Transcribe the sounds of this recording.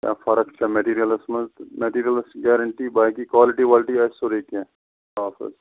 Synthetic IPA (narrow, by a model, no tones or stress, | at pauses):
kja̰ːfɐɾəkt͡ʃʰameʈiːɾijəlɪsmət̪meʈiːɾijəlɪsʈɡɛːɾəɳʈibaːkikʋaːlɪʈiʋaːlɪʈiasoɾikẽ | aːfə̰s